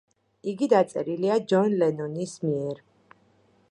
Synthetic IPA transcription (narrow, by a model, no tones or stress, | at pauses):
iɡid̪at̪sʼɛ̰ɾiliad͡ʒɔnlɛnɔnismiɛɾ